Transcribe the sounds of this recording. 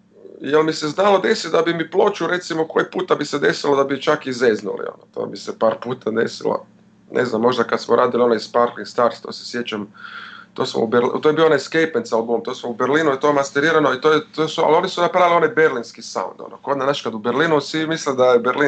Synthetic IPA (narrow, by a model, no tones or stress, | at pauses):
jelmiseznalo̞d̪esid̪abimiplˠo̞t͡ʃuɾe̞t̪simokojepuːt̪abised̪e̞silod̪abit͡ʃakizeznṵlḭo̰not̪o̰ːmisepaːɾpuːt̪ʰad̪e̞̰sḭlo̰ | nʔḛznamːo̞ʒd̪akad̪smoɾʔaːd̪ilio̞naisspaɾkliŋɡst̪aɾst̪o̰ːse̥sjet͡ʃamt̪oːsmo̰ṵbeɾlt̪ojeioonaskejpensalboomt̪osmoubeɾliːnuit̪ojmast̪eɾiːɾanoit̪oːjet̪osua̰lo̞nisunapɾaʋilio̞najbeɾlinskisa̰ṵnd̪o̰noko̞d̪nanaʃkad̪ubeɾliːnusimisled̪ajebeɾli